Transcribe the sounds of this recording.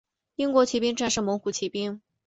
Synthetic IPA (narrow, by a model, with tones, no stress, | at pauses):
i˥ŋkwɔ˧˥t͡ɕʰi˧˥pi˥ŋʈ͡ʂa˥˧nʂɻ̩˥˩mɤ˧˥ŋxu˨˩t͡ɕʰi˧˥pi˥ŋ